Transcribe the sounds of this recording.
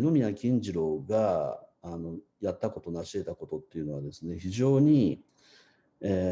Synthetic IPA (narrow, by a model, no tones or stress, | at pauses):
ɡomʲinakʲĩɲd͡ʑiɾo̞ɡaː | no̞ | jat̪ːako̞t̪o̞naɕie̞t̪ako̞t̪o̞t̪ːe̞iɯ̟no̞β̞ad̪e̞sɨne̞çiʑo̞ːɲ̟i | eː